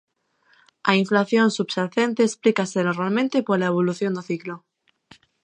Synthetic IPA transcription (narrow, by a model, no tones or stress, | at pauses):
aiɱflaθjõnsubsaθent̪eːsplikasenoɾmalmẽnt̪epoɾlaeβ̞oluθjond̪oθiklo